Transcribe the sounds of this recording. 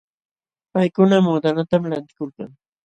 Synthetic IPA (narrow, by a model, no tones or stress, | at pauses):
pajkʊnamud̪anat̪amlant̪ɪ̥kolka̰ŋ